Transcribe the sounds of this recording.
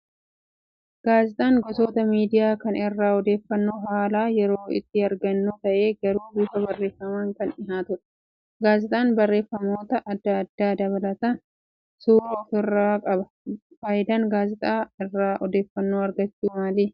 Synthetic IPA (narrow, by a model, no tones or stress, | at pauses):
ɡ̥aːzɪt̪ʼaːŋɡɔsoːt̪ɐmiːd̪ɪjaːkɐnɪrːaːɔd̪e̞ːfːɐnːoːɦaːlaːjɛɾoːɪ̰t̪ːɪɐɾɡɐnːuːt̪ɐʔe̞ːɡɐɾuːbuːfɐbɐrːe̞ːfːɐmaːŋkɐnɪɦaːt̪ʊᶑɐ̥ | ɡaːzɪt̪ʼaːnbɐrːe̞ːfːɐmo̞ːt̪ɐʔɐd̪ːɐːd̪ːaːd̪ɐβɐlɐt̪ɐ | suːɾɐːfɪrːaːkʼɐbɐ | faːjɪd̪aːŋɡaːzɪt̪ʼaːɪrːaːʔɔd̪e̞ːfːɐnːoːɐɾɡɐt͡ʃːuːmaːliː